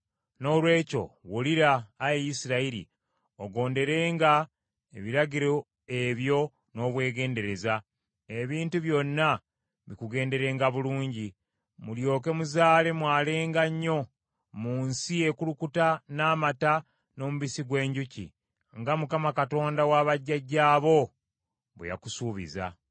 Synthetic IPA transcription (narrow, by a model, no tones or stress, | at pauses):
no̞ːlwe̞ːco̞̰woliɾaːjejisiɾaiɾḭ | oɡo̞ːnde̞ɾe̞ːŋɡa | eβiɾaɟiɾo | eβjo̞ | no̞ːβwe̞ːɡe̞ːnde̞ɾe̞za | e̞βiːntuβjo̞nːa | βikuɡe̞ːnde̞ɾe̞ːŋɡaβuluːɲɟi | muljo̞ːke̞muzaːle̞mwaːle̞ːŋɡaɲːo̞ | muːnsie̞kulukutanaːmata | no̞muβisiɡwe̞ːɲɟucḭ | ŋɡamukamakato̞ːndawaβaɟːaɟːaːβo̞ | βḛja̰kusuːβḭza̰